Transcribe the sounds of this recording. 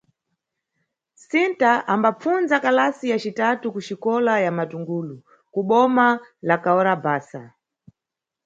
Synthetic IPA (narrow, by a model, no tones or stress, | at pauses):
sintaʔambap͡funzakalasijat͡ʃitatukuʃikɔlajamatuŋɡuːlu | kuɓɔmalakaɔɾabaːsa